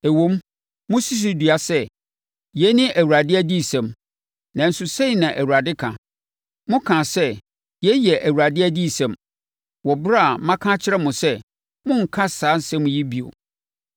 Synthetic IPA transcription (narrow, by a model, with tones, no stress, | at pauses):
æ˨wõ˦m | mʊ̃˦si˦s̬i˦dɥa˨sɛ˦˨ | jɛ˦nɪ̃˦ʔæ˨wu˨ɾa˨dɪ˦æ˦di˦˨sɛ̃˨m | nã˨n̩˨sʊ˨sẽ˦˨nã˨ʔæ˨wu˨a˨dɪ˦kʰã̰˨ | mʊ̃˦kʰã˨sɛ˦ | jɛ˦jɛ˨ʔæ˨wu˨ɾa˨dɪ˦æ˦di˦˨sɛ̃˨m | wɔ˨bɾa˦a˨mã˦kʰã˦t͡ɕʰɪ˦ɾɛ˦mʊ̃˨sɛ˦ | mʊ̃˦ŋ̩˨kʰa˦saː˨˦n̩˦sɛ̃˦mʊ̃˨ji˦bi˨o̰˨